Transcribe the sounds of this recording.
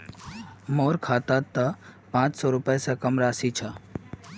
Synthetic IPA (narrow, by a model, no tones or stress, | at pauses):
moːɾkʰaːt̪at̪ːapãːt͡ʃsɔːɾʊpesekəmɾaːsit͡ʃʰa